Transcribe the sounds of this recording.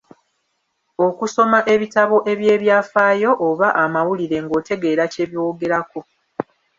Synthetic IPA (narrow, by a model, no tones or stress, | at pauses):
o̞kuso̞maʔe̞βitaβo̞ʔe̞βjeːβjaːfaːjo̞ʔːβaʔamawuliɾe̞ŋɡo̞ːte̞ɡe̞ːɾace̞βjo̞ːɡe̞ɾako̞